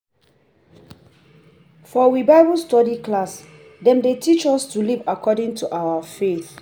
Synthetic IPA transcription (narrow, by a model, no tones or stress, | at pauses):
fɔwibaɪbustɔdiklas | dɛ̃mdetit͡ʃɔstulivakʰɔdɪ̃ŋtʰuʔawafeθ